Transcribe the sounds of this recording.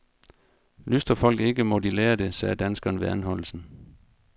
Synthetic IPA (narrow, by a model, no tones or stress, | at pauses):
lysd̥ɐfɒ̽l̰ɡ̥e̝ɡ̥əmɒd̥ileːɐd̥e̝sɛːd̥ænsɡ̥ɐːnʋe̝ænɦɒ̽l̰l̩sn̩